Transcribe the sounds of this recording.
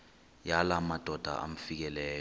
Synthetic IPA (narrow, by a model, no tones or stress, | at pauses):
jalamad̥ʱɔd̥ʱa̰ʔa̰m̩fik̬ɛlɛːj